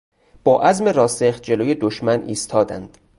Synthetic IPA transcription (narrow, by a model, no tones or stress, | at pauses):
b̥ɒːʔæzme̞ɾɒːseχt̪̚d͡ʒeloːjed̪oʃmænḭːst̪ʰɒːd̪æ̰nd̪̥